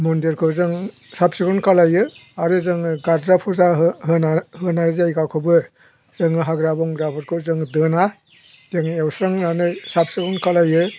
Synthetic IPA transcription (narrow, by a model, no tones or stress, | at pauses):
mɔndeɾkʰɯwzɯŋ | sap̚sikɔnkalajɯaɾɯzɯŋɯɡaɾdɾapʰuzaɦɯnahɯnajzajkakʰɯbɯ | zɯŋɯɦaɡɾabɔŋɡɾapʰɔɾkʰɯwzɯŋdɯna | teŋewsɾaŋnanɯsap̚sikɔnkalajɯ